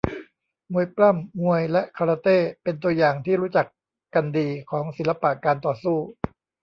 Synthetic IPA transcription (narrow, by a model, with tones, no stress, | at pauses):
ŋu˧əjpla˥˩mŋu˧əjlɛ˦˥ʔkʰa˧ɾaː˧t̪eː˥˩pe˧nt̪̬u˧əjaː˨˩ŋt̪ʰiː˥˩ɾuː˦˥t͡ɕa˨˩k | kːa˧ndiː˧kʰɔː˩˦ŋsi˩˦la˧pa˨˩ʔkaː˧nt̪ɔː˨˩suː˥˩